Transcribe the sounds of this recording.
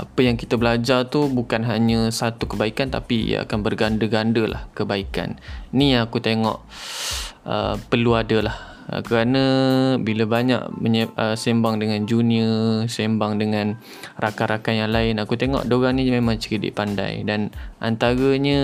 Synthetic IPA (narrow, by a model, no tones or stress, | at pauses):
ʔapəjaŋkit̪əbəlad͡ʒart̪ubukanɦaɲəsat̪ukəbaikant̪apḭa̰kanbərɡandəɡandəlʔa̰hkəbaika̰nːĩakut̪eŋɔ̰ʔ | ʔə̰pəluadəlah | kəɾanə̃biləbaɲa̰ʔməɲəəsembaŋdəŋand͡ʒuniəsembaŋdəŋãn | rakaɾakajaŋlaɪnakut̪eŋɔ̰ʔdoɾaŋnĩmemãŋt͡ʃəɾidɪ̰ʔpanda̰jdanʔa̰nt̪aɾəɲə